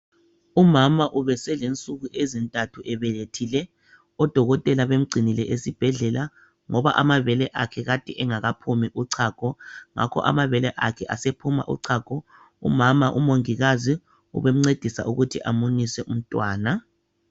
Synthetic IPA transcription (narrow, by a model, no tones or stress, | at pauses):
umamaʔuβɛsɛlent͡sʼuɣuʔezintʼatʰuʔɛβɛletʰilɛ | ɔd̥ʱɔɣɔtʼɛlaβem̩ɡ͡ǀʱinilɛʔesib̥ʱɛɮɛla | ŋɔβa̰ʔamaβɛlɛʔakʰɛɣatʼiʔɛŋaɣapʰumiʔuǀʰaːkʰʼɔŋa̰kʰɔ̰ʔa̰maβɛlɛʔakʰɛʔasepʰuma̰ʔṵǀʰaːkʰɔ | ṵmamaʔṵmoŋiɣazi | ṵβem̩ŋ͡ǀed̥ʱisa̰ʔuɣutʰiʔa̰munisɛʔum̩tʼwaːna